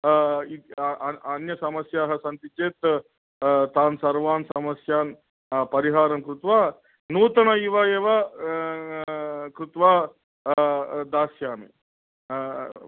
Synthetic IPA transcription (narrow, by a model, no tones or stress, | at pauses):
i | ɐnjɐsɐmɐsjaːɦɐsɐnt̪it͡ʃeːt̪ | t̪aːnsɐɾʋaːnsɐmɐsjaːn | pɐɾiɦaːɾɐŋkɾut̪ʋaː | nuːt̪ɐnɐiʋaeːʋɐ | kɾut̪ʋaː | d̪aːsjaːmḛː